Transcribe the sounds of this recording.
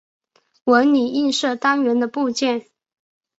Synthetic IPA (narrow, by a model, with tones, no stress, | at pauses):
wə˧˥ni˨˩i˥˧nʂɤ˥˩t̪a˥ŋɥɛ˧˥nd̪ə˧pu˥˧t͡ɕjɛ˥˩n